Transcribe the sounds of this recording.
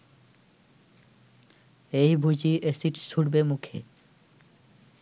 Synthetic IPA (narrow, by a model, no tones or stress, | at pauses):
ejbʱud͡ʑiʔesiʈsuɽbemukʰḛ